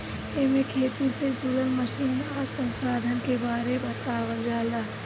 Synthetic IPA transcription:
emẽkʰeːt̪ised͡ʒʊlənməʃiːnaːɾsə̃nsaːd̪ʱənkebaːɾebət̪aːwəld͡ʒaːlaː

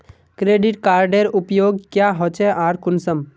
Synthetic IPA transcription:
kɾeɖiʈkaːɾɖeɾupjoːɡ̚kjaɦot͡ʃɛʔaːɾkʊnsəm

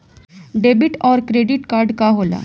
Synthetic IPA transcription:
ɖeːbɪʈɔːɾkɾeːɖɪʈkaːɾɖkaɦoːla̰ː

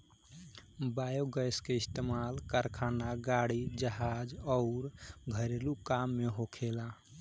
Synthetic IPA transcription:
bajoɡəjskeist̪emalkaɾkʰanaɡaɽid͡ʒəɦad͡ʒɔʊɾɡʱəɾelukamːeɦokʰela

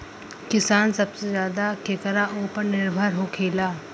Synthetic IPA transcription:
kɪsaːnsɐbsezjaːd̪akʰekəɾaʔoːpəɾnɪɾbʱəɾɦoːkʰeːlaː

